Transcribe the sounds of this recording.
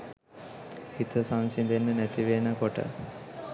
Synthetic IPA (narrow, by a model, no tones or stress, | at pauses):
hit̪əsansind̪enːənæt̪iʋeːnəkoʈə̰